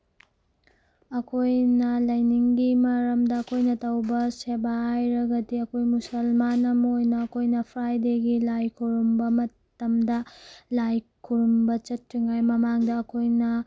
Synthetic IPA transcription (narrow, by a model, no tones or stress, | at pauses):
ɐkʰojnɐlɐjniŋɡimɐɾɐmdɐːkʰojnɐtɐwbɐsebaajɾɐɡɐdiɐkʰojmusɐlmanɐmojnɐːkʰojnɐpʰɾajdeɡilajkʰuɾumbɐmɐ | tɐmdɐlajkʰuɾumbɐt͡ʃɐtːɾiŋajmɐmaŋdɐːkʰojnɐ